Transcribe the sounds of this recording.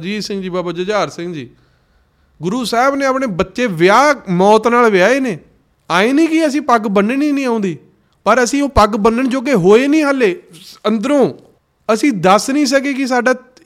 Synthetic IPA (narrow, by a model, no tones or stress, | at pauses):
d͡ʒiːsɪ̃ŋɡd͡ʒiːbaːbaːd͡ʒəd͡ʒaːɾsɪ̃ŋɡd͡ʒiː | ɡʊɾuːsɛːɪbnẽːapɳeːbətːʃeːʋɪaːmɔːt̪naːlʋɪjaːeːneː | aːeːnĩːkɪəs̬ĩːpəɡbənəniːnĩːãːʊ̃nd̪iː | pəɾəsĩːoːpəɡbənːəɳd͡ʒoːɡeːɦoːeːnĩːɦaleːənd̪əɾõː | əsĩːd̪əsnĩːs̬ək̬eːkɪs̬aːɖaː